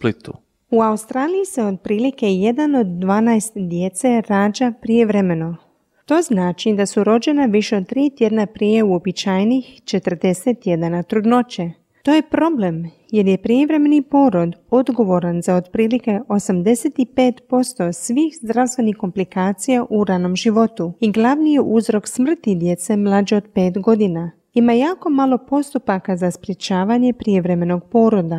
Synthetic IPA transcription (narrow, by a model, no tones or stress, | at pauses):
plit̪u | uaust̪ɾaːlijise̞o̞d̪̚pɾiːlike̞je̞d̪ano̞d̪ːʋaːnajst̪d̪je̞t̪se̞ɾaːd͡ʒapɾije̞ʋɾeme̞no̞ | t̪o̞ːznaːt͡ʃid̪asuɾo̞d͡ʑe̞naʋiʃeo̞d̪̚t̪ɾiːt̪je̞d̪napɾije̞uo̞bit͡ɕaːjnixt͡ʃe̞t̪r̩d̪e̞set̪ːje̞d̪anat̪ɾud̪no̞t͡ɕe | t̪o̞ːje̞pɾo̞ble̞m | je̞ɾjepɾijeʋɾe̞me̞nipo̞ɾod̪o̞d̪ɡo̞ʋo̞ɾanzaod̪pɾiːlike̞ʔo̞samd̪e̞set̪ipe̞ːt̪po̞st̪o̞sʋixzd̪ɾast̪ʋe̞nixko̞mplikaːt̪sijaʔuɾano̞mʒiʋo̞t̪uiɡlˠaʋnijeʔuzɾo̞ksmr̩t̪id̪je̞t̪se̞mlˠad͡ʒeo̞d̪pe̞ːt̪ɡo̞d̪ina | imajaːko̞malˠo̞po̞st̪upakazaspɾje̞t͡ɕaːʋaɲe̞pɾijeʋɾe̞me̞no̞ɡpo̞ːɾod̪a